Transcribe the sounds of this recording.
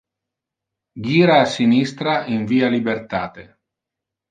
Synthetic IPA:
ɡiːɾaːsinist̪ɾaiɱviːalibert̪aːt̪e

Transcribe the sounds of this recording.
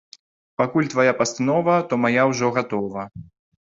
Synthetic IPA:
pakulʲt̪vajapɐst̪nɔvɐt̪ɔmajawʐɔɣat̪ɔvɐ

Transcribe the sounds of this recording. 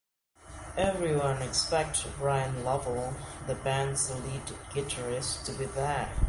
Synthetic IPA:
ɛvɹiwʌ̃nɨkspɛk̚tɹaɪə̃nlɔvəl̩ˠðəbæ̃nzlidɡ̥ɪtə˞ɪstʰɨbiðə

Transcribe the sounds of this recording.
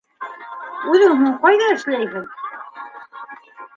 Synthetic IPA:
ʉðɘŋɦuɴqɑjðɑɘ̆ʃlæjɦɘð

